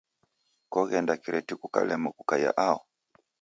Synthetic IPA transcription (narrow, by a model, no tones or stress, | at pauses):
kɔɣɛndakiɾɛtikuka̰lɛmɔku̥kaja̰ʔaɔ